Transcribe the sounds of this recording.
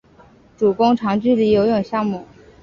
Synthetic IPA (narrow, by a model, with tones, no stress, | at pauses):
ʈ͡ʂu˨˩kʊ˥ŋʈ͡ʂʰɑ˧˥ŋt͡ɕy˥˩li˧˥jo˧˥ʊjʊ˥˨˩ŋɕjɑ˥˧ŋmu˥˩˦